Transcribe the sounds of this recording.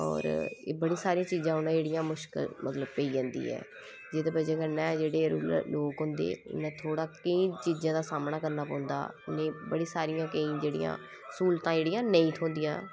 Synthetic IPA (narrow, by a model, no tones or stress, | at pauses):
ɔ̰ːɾeːbəɽiːsaːɾijãːt͡ʃiːzãːɦʊnãd͡ʒeːɽɪjãːmʊʃkə̰lmʔət̪ləb̚pəiːd͡ʒãːnd̪ḭːɛ̰ː | d͡ʒeːd̪ebəd͡ʒeːkənɛ̃ːd͡ʒeːɽeːɾuːlloːkɦʊ̃nd̪ḛːʊ̰nẽːt̪ʰoːɽaːkəĩːt͡ʃiːd͡ʒãːd̪aːsaːmnaːkəɾnaːpɔ̃ːʊnd̪a̰ːnẽːbəɽiːsaːɾɪjãːkəĩːd͡ʒeːɽḭjã̰ː | suːlt̪ãːd͡ʒeːɽijãːnəĩːt̪ʰoːnd̪ijãː